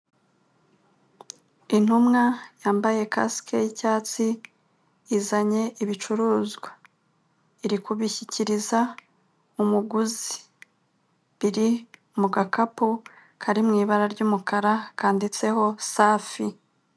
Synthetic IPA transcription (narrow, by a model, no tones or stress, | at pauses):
in̥humŋajaːmbaje̞ka̰skʰejicaːt͡si | izaɲe̞ʔiβit͡ʃuɾuːzɡwa | iɾikuβiçiciɾiza | umuɡuzi̥ | βiɾiumuɡakapu | kʰaɾimŋiːβaɾaɾɟuːmukʰaɾakaːndit͡se̞ɦo̞saːfi